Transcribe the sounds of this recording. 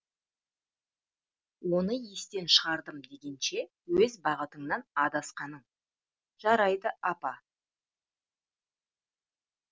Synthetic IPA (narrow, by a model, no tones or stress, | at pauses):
wo̞nəjest̪e̞nʃəʁɑɾd̪əmd̪e̞ɡʲe̞nʃe̞ | wɵzbɑʁət̪əɴnɑnɑd̪ɑsqɑnəɴ | ʒ̥ɑɾɑjd̪əʔɑpɑ